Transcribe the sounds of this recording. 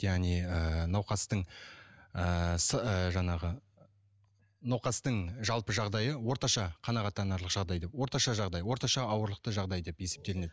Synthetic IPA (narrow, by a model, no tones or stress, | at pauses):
jæʁniənɑwqɑst̪əɴ | əsəʒɑɴɑʁə | nɑwqɑst̪əɴʒɑlˠpəʒɑʁd̪ɑjəwo̞ɾt̪ɑʃɑqʰɑnɑʁɑt̪ːɑnɑɾlˠəqʒ̥ɑʁd̪ɑjd̪e̞pwo̞ɾt̪ɑʃɑʒɑʁd̪ɑjwo̞ɾt̪ɑʃɑɑwəɾlˠəqt̪əʒɑʁd̪ɑjd̪e̞pje̞se̞p̚t̪e̞lɪned̪ɪ